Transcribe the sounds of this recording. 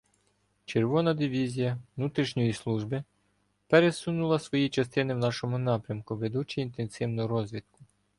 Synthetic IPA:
t͡ʃerʋɔnɐd̪ɪʋʲizʲijɐʋnut̪ɾʲiʃɲʲɔjislˠuʒbɪ | peɾe̞sunulˠɐsʋɔjit͡ʃɐst̪ɪnɪwnɑʃɔmʊnɑpɾʲɐmkʊʋed̪ut͡ʃɪint̪ensɪwnɔʊɾɔzʲʋʲit̪̚kʊ̥

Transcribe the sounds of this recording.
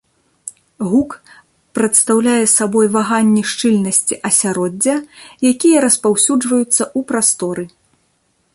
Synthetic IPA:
ɣuk | pɾɐt̪st̪awlʲajɛsabɔjvaɣanʲːiʂt͡ʂɨlʲnɐsʲt͡sʲiʔɐsʲaɾɔd͡zʲːɐjakʲijɐɾɐspawsʲud͡ʐvɐjut̪sːɐʔupɾast̪ɔɾɨ

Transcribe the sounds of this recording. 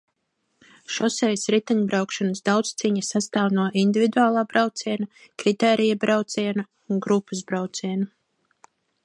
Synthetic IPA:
ʃɔsɛjsɾit̪aɲbɾawkʃɔnəsd̪awt̪st̪siɲasast̪aːwnuɔʔind̪ivid̪uaːlˠaːbɾawt̪siɛna | kɾit̪ɛːɾijabɾawt̪siɛna | unɡɾupːasbɾawt̪siɛnu

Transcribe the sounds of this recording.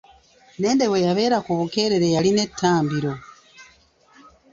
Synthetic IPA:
ne̞ːnde̞we̞jaβe̞ːɾakuβuke̞ɾe̞ɾe̞jaline̞tʰːaːmbiɾo̞

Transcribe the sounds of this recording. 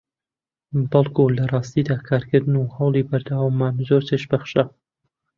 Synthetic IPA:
bɐlˠkʰulɐrˤɑːst̪id̪aːkʰaːɾkɨɾd̪ɨnuhɐwlˠibɐɾd̪awamːaːnzoɾt̪ʰeʃbɐχʃa

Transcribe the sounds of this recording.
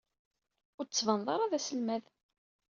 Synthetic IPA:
ʊɾt͡sːvɑnðˤɑɾˤɑðæsəlmæð

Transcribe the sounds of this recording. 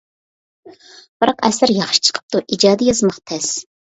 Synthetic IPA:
b̥ɨɾɑqɛ̰sɨɾjɑχʃi̥t͡ʃʰqʰə̥p̚t̪uʔid͡ʒɑːd̪ijɑzmɑqt̪ʰɛs

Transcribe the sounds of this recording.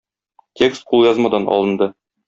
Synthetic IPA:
tʲekst̪qʰulˠjɒzmɑd̪ɑnɒ̰lˠɤ̆nd̪ɤ

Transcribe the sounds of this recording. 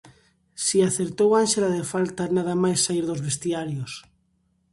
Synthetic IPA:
siaθeɾt̪owanʃelaðefalt̪anaðamajsːaiɾðozβest̪iaɾjos

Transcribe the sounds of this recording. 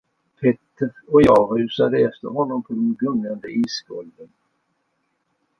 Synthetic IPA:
pʰɛt̪ːəɾɔjɑːɡhɾʉ̟ːsad̪əɛft̪ə̰ɾɦɔnːɔmpʰɔd̪ɛnɡɵnːand̪əʔiːskɔld̪ən

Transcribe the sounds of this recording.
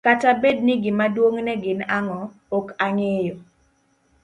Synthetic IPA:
katabed̚nɪɡɪmadwoŋnɛɡɪnaŋɔ | okaŋejo

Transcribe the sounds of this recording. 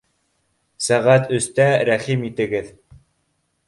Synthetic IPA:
sæʁæt̪ʰɵ̆st̪æɾæχimit̪ɘ̆ɡɘð

